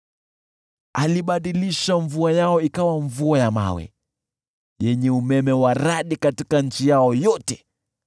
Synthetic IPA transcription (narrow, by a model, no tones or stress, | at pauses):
aliɓaɗiliʃaɱvuajaɔikawaɱvuajama̰wɛ̰ | jɛɲɛumɛmɛwaɾaɗikatikaɲ̩t͡ʃijaɔjɔtɛ